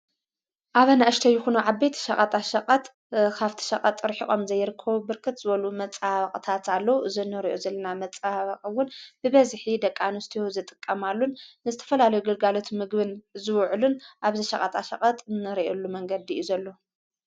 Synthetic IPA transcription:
ʔaβɐnaʔɐʃt̪ʰɐjɪxunuʕabːejt̪ʰi̥ʃɐχʼɐt̪ʼaʃɐqʼɐt̪ | kʰaβt̪ʰi̥ʃɐqʼɐt̪ʼɾħiʔʼomzɐjɾɨkʰːɐβubɨɾkʰɨt̪z̥ɨβɐlumɐt͡sʼaβɐqʼɨt̪ʰat̪ʰalːɐwuʔɨzɨnːɨɾiʔozɐlːɐnamɐt͡sʼaβɐqʼɨwːʊnb̥ɨβɐzħid̪ɐkʼːanust̪ʰijozɨt̪ʼɨ̥kʼːɐmalːunːɨzɨt̪ʰɐ̥fɐlalɐjuɡɨɐlɡalot̪ʰmɨɡbɨnzɨwʕlunʔaβziʃɐχʼɐt̪ʼaʃɐ̰qʼɐt̪ʼɨnːɨɾiʔɛlːumɐŋɡɐd̪iuzɐlːo̞

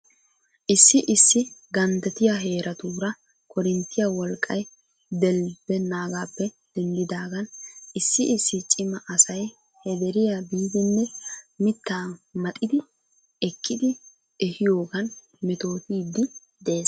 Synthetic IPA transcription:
ʔɪsːɪʔɪsːɪɡɐnd̪ɛt̪ɪjaɦe̞ːɾʔɐt̪uːɾɐ | kʰɔɾɪnt̪ːɪjawɔlkʼːɐj | d̪ɛlbɛnaːɡaːpːɛ | d̪̥ɛnd̪ɪd̪aːɡɐnʔɪsːɪʔɪsːɪt͡ʃʼɪmɐʔɐsɐj | hɛd̪ɛɾɪjabiːd̪ɪnːɛmɪt̪ːaːmɐt̪ʼɪd̪ɪ | ɛkʰːɪd̪ɪ | ɛhɪjo̞ːɡɐn | mɪt̪o̞ːt̪iːd̪ːɪ | d̪eː

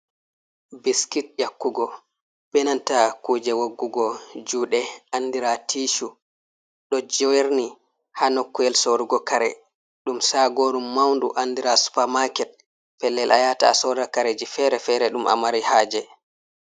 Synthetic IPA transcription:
biskit̚jakːuɡɔ | b̥ɛnantakuːd͡ʒɛwaɡːuɡɔd͡ʒuːɗɛandiɾatʰiːʃu | ɗɔd͡ʒɔweɾni | hanokːuɛlsoɾuɡɔkaɾɛ̰ | ɗumsaɡoɾumːawndṵʔandiɾasu̥pamakɛt̚ | pɛlːɛlʔajata̰sɔɾakaɾed͡ʒifɛɾɛfɛɾɛɗuma̰maɾihaːd͡ʒɛ

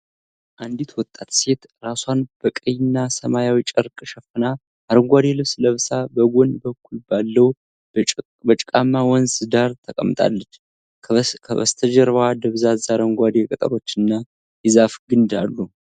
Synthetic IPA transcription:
ʔand̪it̪wɔt̪ʼːat̪se̞t̪ | ɾaswanb̥əkʼəjɪnːasəmajawit͡ʃʼɨɾkʼʃəfɨna | aɾəŋɡʷad̪elɨβsləβsabəɡʷo̞nbəkːulbalːəw | bət͡ʃʼkʼamːawɔnsɨd̪aɾt̪ʰəkʼəmːt̪ʼa̰lːət͡ʃː | kʰəβə̰st̪ʰəd͡ʒəɾβad̪əβzazaɾəŋɡʷad̪ekʼət̪ʼə̰ɾo̞t͡ʃːɨnːa | jɨzafɡɨnd̪alːu

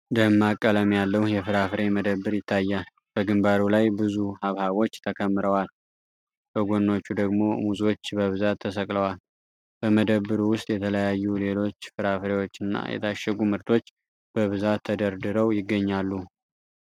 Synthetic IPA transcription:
d̪əmːakʼːələmjalːəhjɛfɨɾafɾe̞məd̪əβːɨɾjɪt̪ʰːajːal | b̥əɡɨmbaɾulajbɨzuhaβhaβo̞t͡ʃːt̪ʰəkʰəmːɨɾəwal | b̥əɡo̞nːo̞t͡ʃːud̪əɡmo̞muzo̞t͡ʃːbəβɨzat̪ʰːəsəkʼləwal | b̥əməd̪əβːɨɾuwʊst̪ʼjɛt̪ʰələjajːule̞lo̞t͡ʃːfɨɾafɾe̞wo̞t͡ʃːɨnːa̰jɛ̰t̪ʰaʃːɛɡumɨɾt̪ʰo̞t͡ʃː | b̥əβɨzat̪ʰːəd̪əɾd̪ɨɾəwjɪɡːəɲːalːu

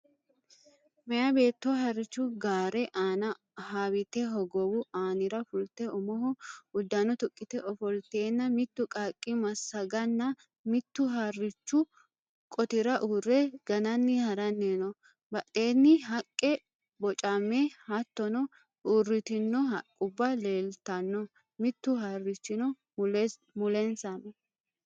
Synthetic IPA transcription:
mɐjɐbe̞ːt̪ːɔɦɐrːɪt͡ʃːʊɡaːɾɛʔaːnɐ | haːwɪt̪ɛɦɔɡɔwʊaːnɪɾɐfʊlt̪ɛɔmɔhɔʊd̪ːɐnɔt̪ʊkʼːɪt̪ɛʔɔfɔlt̪e̞ːnːɐmɪt̪ːʊkʼaːkʼːɪmɐsːɐɡɐnːɐ | mɪt̪ːʊɦarːɪt͡ʃːʊ | kʼɔt̪ɪɾɐʔuːrːɛɡɐnɐnːɪhɐɾɐnːenɔ | bɐt̪ʼːe̞ːnːɪɦɐkʼːɛ | bɔt͡ʃʼamːehɐt̪ːɔnɔ | ʔuːrɪt̪ɪnːɔhɐkʼːʊbːɐle̞ːlt̪ɐnːɔ | mɪt̪ːʊɦaːrːɪt͡ʃːɪnɔ | mʊlɛnsɐnɔ

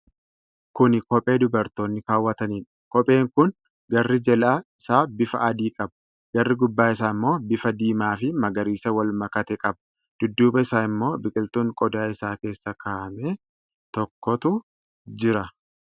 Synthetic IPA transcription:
kʊnɪkɔpʼe̞ːd̪ʊbɐɾt̪o̞ːnːɪkaːwːɐt̪ɐniːᶑ | kɔpʼe̞ːŋkʊn | ɡɐrːɪd͡ʒɛlaːɪsaːbɪfɐ̰ʔɐd̪iːkʼɐbɐ̥ | ɡ̥ɐrːɪɡʊbːaːɪs̬aːɪmːoːbɪfɐd̪iːmaːfɪmɐɡɐɾiːsɐwɐlmɐkɐt̪ɛkʼɐbɐ̥ | d̪̥ʊd̪ːuːbɐɪsaːɪmːo̞ːbɪkʼɪlt̪uːŋkʼɔd̪aːɪsaːke̞ːsːɐkʰaːʔmeː | t̪ɔkːɔt̪ʊ | d͡ʒɪɾɐ

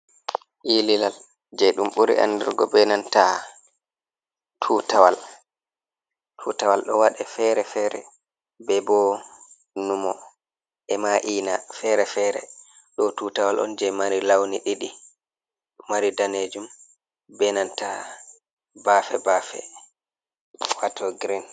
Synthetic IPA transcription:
ʔililal | d͡ʒɛɗumɓuɾḭʔa̰nːdɛɾɡɔ̰bɛnanta | tʰuːtawal | tʰuːtawalɗɔwaɗɛfɛɾɛfɛɾɛ̰ | bɛbɔ | numɔ | ʔɛmaʔiːnafɛɾɛfɛɾɛ̰ | ɗɔtuːtawalʔɔ̰nd͡ʒɛmaɾilawniɗiɗi | ɗumːaɾidaned͡ʒum | bɛnanta | bafɛbaːfɛ̰ | watʰɔɡɾin

